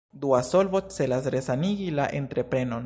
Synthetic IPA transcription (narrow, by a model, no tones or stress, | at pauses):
d̪uaso̞lvot͡se̞lasɾe̞saniɡilaʔe̞ntɾe̞pɾe̞no̞n